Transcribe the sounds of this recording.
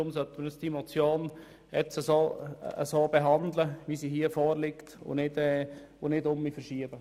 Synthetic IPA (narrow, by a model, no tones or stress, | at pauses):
ʊmsœt̪əməɾjəsd̥imot͡sjoːn | ɛt͡səsoːə̰soːb̥eɦɑndləʋisiɦiəfoːɾlɪktʊ̰nɪdɛ | ʊnɪdʊmifəɾʃiəb̥ə